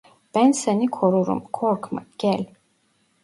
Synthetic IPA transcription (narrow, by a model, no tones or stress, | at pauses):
b̥ænsenikʰoɾuɾṵmkʰɔɾkma̰ɟ̥ælʲ